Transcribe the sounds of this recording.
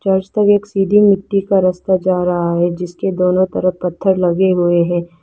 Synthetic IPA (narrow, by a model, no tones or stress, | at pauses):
t͡ʃaːɾd͡ʒt̪əɡeːksiːd̪ʱimɪʈːikaɾɐst̪ad͡ʒaːɾɐɦaɦɛd͡ʒɪsked̪oːnõt̪ɐɾəpɐt̪ʰːəɾlɐɡeɦʊeɦɛ̃ː